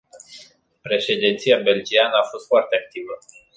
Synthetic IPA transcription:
pɾe̞ʃe̞d̪int̪sijabe̞ld͡ʒianəafo̞st̪foart̪eak̚t̪ivə

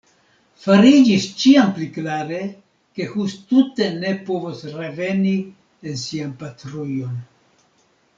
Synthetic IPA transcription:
faɾid͡ʒist͡ʃiampliklaɾe̞ | ke̞hustute̞ne̞po̞vosɾe̞ve̞ni | ensianpatɾujo̞n

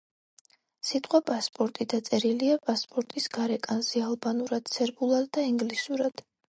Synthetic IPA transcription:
sit̪ʼqʼwapʼaspʼɔɾt̪ʼid̪at̪sʼɛɾiliapʼaspʼɔɾt̪ʼisɡaɾɛkʼanzɛalˠbanuɾad̪̥t̪sʰɛɾbulˠad̪dːaiŋɡlisuɾad̪̥

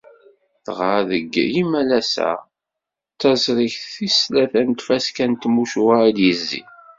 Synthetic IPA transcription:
θʁəɾðə̰ɡːimælæsæ̰ | t͡sːæzɾˤiçθθislæθænt̪fæskænt̪muʃwaid̪jəzːḭ

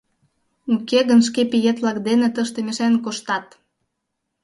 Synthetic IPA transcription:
ukeɣənʃ̬kepijet̪lɑkd̪enet̪əʃt̪emeʃenkoʃt̪ɑt̪

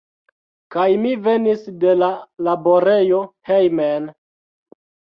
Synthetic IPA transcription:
kajmive̞nisde̞lalabo̞ɾe̞jo̞hejmen

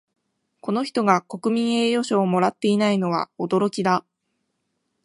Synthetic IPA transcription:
ko̞no̞çi̥t̪o̞ɡako̞kɯ̟mʲĩɰ̃e̞ːjo̞ɕoːmo̞ɾat̪ːe̞inaino̞βa̰od̪o̞ɾo̞kʲid̪a

